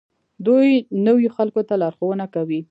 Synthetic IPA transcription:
d̪ujnəwjoxalkot̪alɑɾxowənakawi

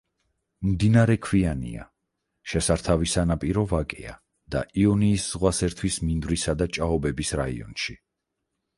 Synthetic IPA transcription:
md̪inaɾɛkʰwianḭa̰ | ʃɛsaɾt̪ʰavisanapʼiɾɔvakʼɛ̰a̰ | d̪̥a̰ʔiɔniːszʁwasɛɾt̪ʰwismind̪vɾisad̪at͡ʃʼaɔbɛbisɾaḭɔ̰nʃi

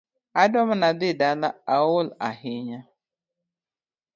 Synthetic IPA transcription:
adɔm̩nadɪdalaawʊla̰ɦɪɲa

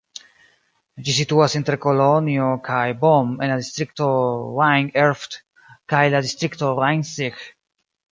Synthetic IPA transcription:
d͡ʒisit̪uasĩnt̪ɾekolonjokʰajbɔmẽnad̪ist̪ɾik̚t̪oɾaj̃ŋɛɾft̪ | kajlad̪ist̪ɾikt̪oɾajŋsix

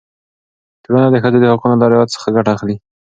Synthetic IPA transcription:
t̪ɽanad̪əxəzed̪əhɑqunolɑɾjad̪sə̥xaɡaʈaːxli

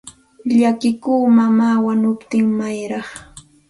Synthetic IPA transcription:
ʎakɪkuːmamaːwanʊpt̪ɪŋmajɾɑχ

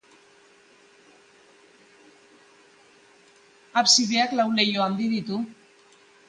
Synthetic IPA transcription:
apsiβeaklawle̞joand̪iðit̪u

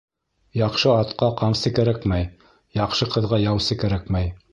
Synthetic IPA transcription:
jɑqʃɤɑt̪qɑqɑmsɘkæɾækmæj | jɑqʃɤqɤ̆ðʁɑjɑwsɘkæɾækmæj

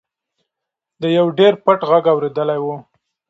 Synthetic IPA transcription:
d̪əjawɖeɾpəʈɣaɡawɾed̪əlajwu

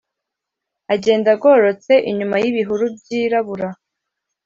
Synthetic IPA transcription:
aɟe̞ːndaɡo̞ɾo̞t͡se̞ʔiɲumajiβiɦuɾub̚ɟiːɾaβuɾa

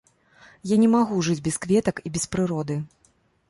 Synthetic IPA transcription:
janʲɛmaɣuʐɨd͡zʲbʲɛskvʲɛt̪ɐkibʲɛspɾɨɾɔd̪ɨ

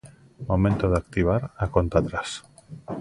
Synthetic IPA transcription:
momẽnt̪oðak̚t̪iβ̞aɾakont̪at̪ɾas

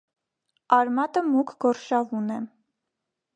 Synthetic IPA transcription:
ɑɾmɑt̪əmukʰɡɔɾʃɑvunɛ

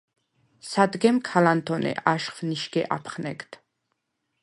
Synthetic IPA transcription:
sad̪ɡɛmkʰalant̪ʰɔnɛ̰ʔaʃχvniʃɡɛ̰ʔapʰχnɛ̰kt̪ʰ

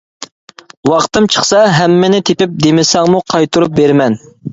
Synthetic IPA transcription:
wɑχt̪ɨmt͡ʃʰə̥χsɑɦɛmːɪnɪt̪ʰepɪp̚d̪emɪsɑŋmuqʰɑjt̪ʰuɾup̚beɾmɛn

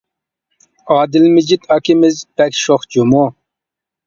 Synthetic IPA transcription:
ɑːd̪ɪlmɪd͡ʒit̪ɑkimɪzb̥ɛkʃoχd͡ʒumo

